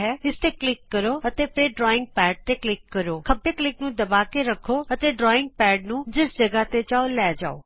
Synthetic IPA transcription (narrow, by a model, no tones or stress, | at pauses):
ɦɛːɪst̪eːklɪkːəɾoːət̪eːpʰɪɾɖɾɔːɪ̃ŋɡ̚pɛːɖ̚t̪eːklɪkːəɾoːkʰəbeːklɪknũːd̪əbaːkeɾəkʰːoːət̪eːɖɾɔːɪ̃ŋɡ̚pɛːɖnũːd͡ʒɪsd͡ʒəɡaːt̪et͡ʃaːoːlɛːd͡ʒa̰ːo̰ː